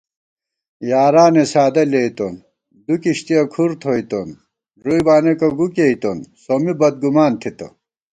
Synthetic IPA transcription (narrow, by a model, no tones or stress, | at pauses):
jaːɾaːnesaːd̪ɐleit̪on | d̪ukiɕt̪ijɐkʰuɾt̪ʰoːjt̪on | ɾujbaːnekɐɡukejt̪onsomibɐd̪̚ɡumaːnt̪ʰit̪ɐ̰